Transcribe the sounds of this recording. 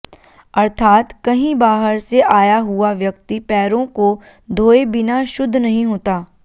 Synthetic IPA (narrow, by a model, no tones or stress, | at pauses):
ɐɾt̪ʰaːt̪kɐɦĩbaːɦəɾseʔaːjaɦuaʋjɐk̚t̪ipɛːɾõko | d̪ʱoːebɪnaʃʊd̪ʱːnɐɦĩɦoːt̪aː